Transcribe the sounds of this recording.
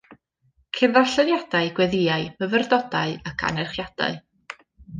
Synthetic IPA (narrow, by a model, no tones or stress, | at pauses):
kʰɪnðaɬɛðjad̥aɨɡwɛðɪaɨməvərdɔdaɨakʰa̰nɛrχjad̥a̰ɨ